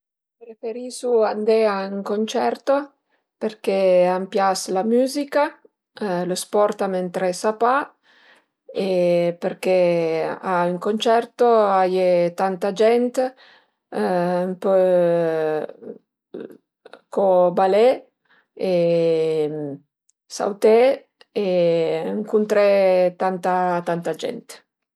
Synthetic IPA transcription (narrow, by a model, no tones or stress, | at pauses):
pɾefeɾisuand̪eayŋkont͡ʃɛɾt̪o | peɾkeampjaslamyːzika | lospɔɾt̪amɛnt̪ɾesapa | epeɾke | ayŋkont͡ʃɛrt̪oajet̪ant̪ad͡ʒɛnt̪ | mpø | kobale | e | sa̰wt̪e | eəŋkunt̪ɾet̪ant̪at̪ant̪ad͡ʒɛ̰nt̪